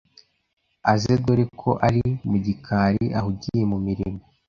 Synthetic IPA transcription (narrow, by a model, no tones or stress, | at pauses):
azeɡwoɾikʰo̞ʔaɾimuɟikʰaːɾiʔaɦuɟijemumiɾimo